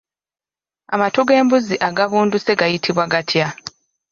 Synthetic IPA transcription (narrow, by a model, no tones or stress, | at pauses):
amatuɡe̞ːmbuziʔaɡaβuːnduse̞ɡajitʰiβwaɡatʰja